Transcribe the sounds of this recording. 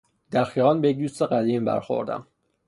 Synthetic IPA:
d̪̥æɾxiːʁɒnbejec̚d̪uːst̪eɢæd̪iːmbæ̰ɾxo̞̰ɾd̪æ̰m

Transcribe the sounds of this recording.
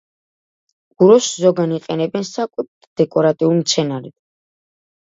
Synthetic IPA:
ɡ̥uɾɔszɔɡaniqʼɛnɛbɛnsakʼut̪ʰ | d̪̥ɛkʼɔɾat̪ʼiulmt̪sʰɛnaɾɛd̪̥

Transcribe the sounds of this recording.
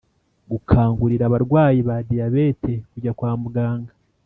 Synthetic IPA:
ɡukʰaːŋɡuɾiɾaβaɾɡwaːjiβadijaβe̞tekuɟakwaːmuɡaːŋɡa

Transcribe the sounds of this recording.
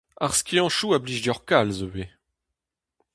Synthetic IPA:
aʁskʲiɑ̃ʃuabliʒdjɔʁkalzøwe

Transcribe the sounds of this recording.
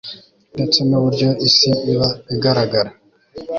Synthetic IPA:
net͡semeβuɾɟoisiːβaiɡaɾaɡaɾa

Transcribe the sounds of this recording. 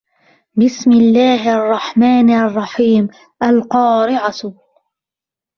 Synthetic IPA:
bɪsmɪlːaːhʔɑrˤːɑħmaːnʔɑrˤːɑħiːm | ʔalqɑːɾɪʕat̪

